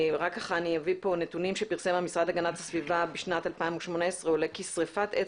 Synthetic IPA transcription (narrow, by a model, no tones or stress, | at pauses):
ʁakːaχaːnijavipo̞netunimʃepiʁsemamisʁadhaɡanathasvivabeʃnatalpaimuʃmoneesʁeulekisʁefate